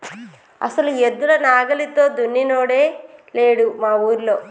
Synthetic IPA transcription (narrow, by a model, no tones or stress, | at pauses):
ɐ̰sɐlued̪ːulɐnaːɡɐlit̪o̞ːd̪unːinoːɽe̞ːleːɽumaːuːɾloː